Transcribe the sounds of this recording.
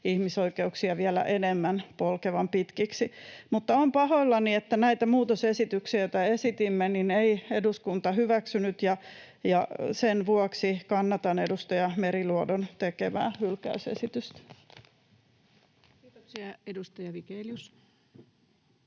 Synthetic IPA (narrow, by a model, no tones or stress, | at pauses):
ihmisoikeuksiɑʋiælæ̰ʔenemːænpolkeʋɑmpit̪kiksimut̪ːɑompɑhoilːɑniet̪ːænæit̪æmuːt̪osesit̪yksiæot̪æesit̪imːenineieduskunt̪ɑhyʋæksynyt̪jɑ | jɑsenʋuɔksikɑnːɑt̪ɑnedust̪ojɑmeɾiluodont̪ekeʋæ̰ːhylkæ̰ysḛsit̪yst̪ | kiːt̪oksiɑedust̪ɑjɑʋikeljus